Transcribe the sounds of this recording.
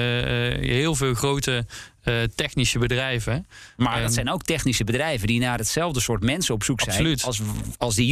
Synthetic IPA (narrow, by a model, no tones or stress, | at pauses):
ɦɪːlˠvɪːlˠxrowtə | tɛxnisəbədrɛjvəmaːdɔsɛjnowk̚tɛxnisəbədrɛjvədinaːdətsɛlˠvdəsʊːɹtmɛnsəɔpsuksɛsjnlytˠsɑlˠzdi